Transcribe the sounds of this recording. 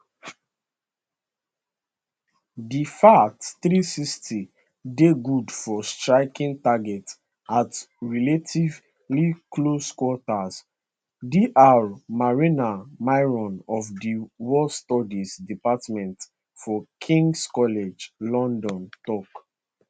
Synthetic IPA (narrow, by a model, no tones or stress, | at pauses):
difatθɹisistʰi | deɡudfɔstɹaɪkĩntaɡɛt | at | ɹiletʰiv | likloskwɔtas | diʔaɹmaɹinamaɪɹɔ̃nɔfdiwɔstɔdisdipatmɛ̃nt | fɔkʰĩŋɡskɔlɛd͡ʒlɔ̃ndɔ̃ntɔk